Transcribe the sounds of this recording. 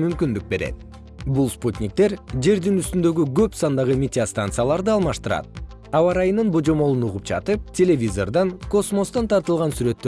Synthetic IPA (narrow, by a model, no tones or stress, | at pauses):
mymkynd̪yk̚be̞ɾe̞̰t̪̚ | bulˠsput̪ʲnʲik̚t̪e̞ɾd͡ʒe̞ɾd̪inyst̪ynd̪ø̞ɡyɡø̞psɑnd̪ɑʁɯmʲet̪ʲast̪ant̪sɨjalˠɑɾd̪ɯɑlˠmɑʃt̪ɯɾɑ̰t̪̚ | ɑwɑɾɑjɯnːɯnbod͡ʒo̞mo̞lˠunuʁup̚d͡ʒɑ̰t̪ɯp̚tʲe̞lʲe̞vʲizo̞rd̪ɑŋko̞smo̞st̪ɑnt̪ʰɑɾt̪ɯlˠʁɑnsyɾø̞t̪ːø